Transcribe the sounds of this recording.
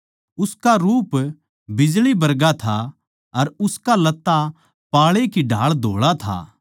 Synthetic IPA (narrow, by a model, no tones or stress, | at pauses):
ʊskaɾuːp | bɪd͡ʒlibɐɾɡat̪ʰa | ɐɾʊskalɐt̪ːa | paːɭekiɖʱaːɭd̪ʱoːɭat̪ʰa̰ː